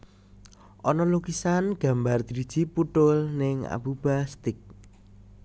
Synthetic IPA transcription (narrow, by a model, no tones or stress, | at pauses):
ʔɔnɔloɡisanɡ̥a̤mbard̪̥iɾid̥d͡ʒ̥i̤puʈ̪ʊlnɪŋa̰bub̥ast̪ɪk̚